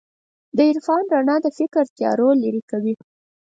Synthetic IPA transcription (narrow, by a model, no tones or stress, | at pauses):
d̪əɪɾfɑnɾanɑd̪əfɪkɾt̪jɑ̰ɾolaɾikawi